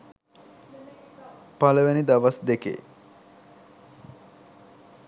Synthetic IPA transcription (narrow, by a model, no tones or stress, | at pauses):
paləʋenid̪aʋasd̪ekḛ